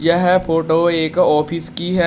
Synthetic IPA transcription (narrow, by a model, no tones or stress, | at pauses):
jɐɦɛpʰoːʈoːeːkɔːpʰɪskiɦɛ